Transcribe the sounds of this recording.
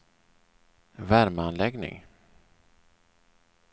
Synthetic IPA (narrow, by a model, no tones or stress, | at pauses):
væɾmanlɛɡnɪ̰ŋ